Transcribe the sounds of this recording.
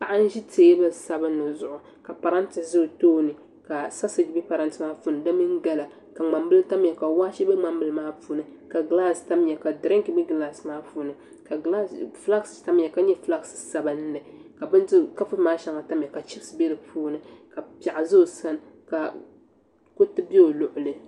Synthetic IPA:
pa˨ʔa˦n̩˦ʒi˦teː˨˦bɨ˦sa˦bɨ˦nːɨ˨zʊ˨ʔʊ˨ | ka˨pa˨ɾa˦n˦tɪ˨szɨ˦˨toː˦nɨ˨ | ka˨sa˦sɨ˨d͡ʒi˦bi˦pa˨ɾa˦ntɨ˨maː˦fu˦nɨ˨dɨ˦mɨ˦ŋ˦ɡa˦la˨ | ka˨ŋ͡ma˨mbɨ˦lta˦mɲɛ˨ka˨waː˦ʃi˦bɨ˦ŋ͡ma˦mbɨ˦lɨ˦maː˦puː˦nɨ˨ka˨ɡla˦sta˦m˦ɲɛ˨ka˨dɾɪ˦ŋki˨bɨ˦ɡla˦smaː˦fuː˦nɨ˨ | ka˨la˦fla˦ksta˦mɲɛ˨ka˨ɲɛ˦fla˦ksɨ̥˨sa˨ba˦n˦nɨ˨ka˨bɨ˦n˦ka˦fɨ˦maː˦ʃa˦ŋa˨ta˦mɲɛ˨ka˨t͡ʃi˦bsɨ˨be˦ɾɨ˨pʰuː˦nɨ˨ka˨pa˨ʔa˨zʊ˦˨sa˦n˨ka˨ | ko˦tɨ˦be˦o˨lʊ˦ʔʊ˨lɨ˨

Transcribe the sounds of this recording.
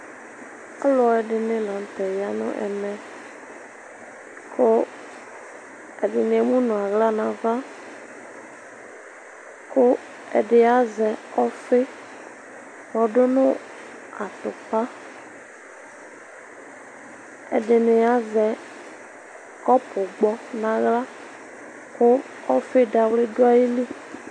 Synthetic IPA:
a˦lɔ˨˦ɛ˨ɖɪ˨nɪ̃˨lã˨n˨t̪ɛ˨ja˦nʊ̰̃˦ʔɛ̰˨nɛ̃˨ | kʰʊ˦ | ɛ˨ɖɪ˨nɪ̃˨e˨mũ˦nʊ̃˨a˨ɣla˦nã˨va˦ | kʊ˦ | ɛ̰˨ɖɪ˨a˦zɛ˨ɔ˦fe˦ | wɔ˨ɖʊ˦nʊ̃˦ | a˨t̪ʊ˨k͡pa˦ | ḛ˨ɖɪ˨nẽ˨a˦zɛ˨ | kɔ˦pʊ˨ɡ͡bɔ˨nã˨ɣla˦ | kʊ˦ | ɔ˦fe˦da˨wle˦dʊ˦a˦ji˦li˦

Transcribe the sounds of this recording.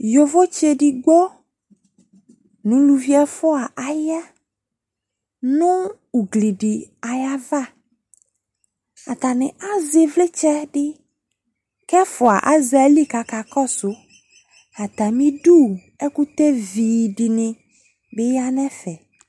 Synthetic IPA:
jo˨vo˦t͡ʃe˨ɖɪ˨ɡ͡bo˦ | nʊ̃˨lu˨vi˦ɛ˦fʊ˦a˨ʔa˨ja˦ | nʊ̃˦ | u˨ɡli˨ɖɪ˨a˨ja˦va˦ | a˨t̪a˨nɪ̃˨a˦zɪ˨vlɪ˦t͡ʃɛ˦ɖɪ˦ | kɛ˦fʊ˨a˨ʔa˦za˨˦li˦ka˨ka˨kɔ˦sʊ˨ | a˨t̪a˨mĩ˦ɖu˦˨ | ɛ˦ku˦t̪e˦viː˨ɖɪ˨nɪ̃˨ | bɪ˦ja˦nɛ̃˦fɛ˨

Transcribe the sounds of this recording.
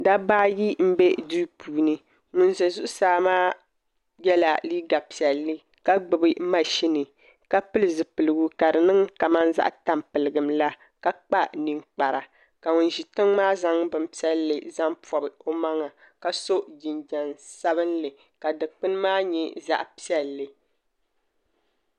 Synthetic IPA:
da˦baː˦ji˦m̩˦be˦du˦puː˨˦nɨ˦ | ŋʊ˨nzɛ˨zu˦ʔʊ˦saː˨˦maː˦ | jɛ˦la˨liː˦ɡa˨pi˨ɛ˨lːɨ˦ | ka˦ɡ͡bɨ˨bɨ˦ma˨ʃi˦nɨ˨ | ka˦pɨ˦lɨ˨zɨ˨pɨ˨lɨ˨ɡu˦ka˨dɨ˨nɨ˦ŋka˨ma˦nza̰˦ʔta˨mpɨ˨lɨ˨ɡɨ˨mla˦ | ka˦k͡pa˦ni˨ŋk͡pa˨ɾa˨ | ka˨ŋʊ˨n˨ʒi˨tɨ˦ŋmaː˦za˦ŋbɨ˨mpi˦ɛ˦lːɨ̰˨za˦mpɔ˨bɨ˨o˦ma˦ŋa˨ | ka˨so˦ʔd͡ʒi˨nd͡ʒɛ˨nsa˦βɨ˦nlɨ˨ | ka˨dɨ˨k͡pɨ˦n˦maː˦ɲɛ˦za̰˦ʔpi˦ɛ˨lːɨ˨

